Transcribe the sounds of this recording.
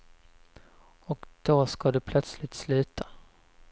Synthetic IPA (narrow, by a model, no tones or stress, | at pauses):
ɔkd̪̥oskad̪ɵpʰlœt̪slɪt̪slʉ̟ːt̪ʰḁ